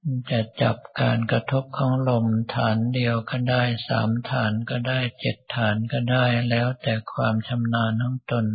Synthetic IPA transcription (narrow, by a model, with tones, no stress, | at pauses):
t͡ɕa˨˩t͡ɕa˨˩p̚kaː˧nkɾa˧t̪ʰo˦˥p̚kʰɔː˧˦˥ŋlo˧mt̪ʰaː˩˦ndi˧əwkɔː˥˩daː˥˩jsa̰ː˩˦mt̪ʰaː˩˦nkɔː˥˩daː˥˩jt͡ɕe˨˩t̪ʰːaː˩˦nkɔː˥˩daː˥˩jlɛː˦˥wt̪ɛː˨˩kʰwaː˧mt͡ɕʰa˧mnaː˧nt̪ʰaː˧˥ŋt̪o˧n